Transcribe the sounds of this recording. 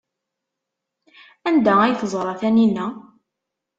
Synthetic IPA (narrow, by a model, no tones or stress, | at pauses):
ænd̪ææjθəzˤɾˤɑθæninæ